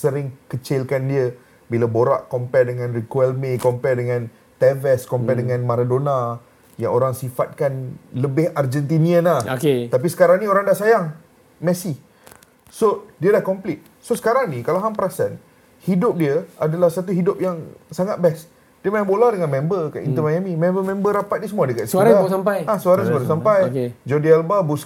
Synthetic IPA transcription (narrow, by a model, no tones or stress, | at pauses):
səɾɪŋkət͡ʃɪlkandiə | bilaboɾa̰ʔkɔmpɛrdəŋãnrikuɛlmẽkɔmpɛrdəŋãn | t̪ɛvɛskɔmpɛrdəŋãnmaɾadona | jaŋoɾaŋsifat̪̚kanləbɪhard͡ʒɛnt̪̬iniənlahoket̪ap̬isə̥kaɾaŋnĩoɾaŋdaʔsajaŋ | mɛsi | sodiəlahkɔmplit̪̚ | sosə̥kaɾaŋnikalaɦaŋpəɾasan | hidʊp̚diəʔadalahsat̪uɦidʊp̚jaŋsaŋat̪̚bɛs | diəmajambolahdəŋanmɛ̃mbəkaʔḭnt̪əmajamimɛ̃mbəmɛ̃mbəɾapat̪̚nisəmuadəkat̪səɾasampajasuaɾansəkaɾas̬ampajked͡ʒɔdialbabus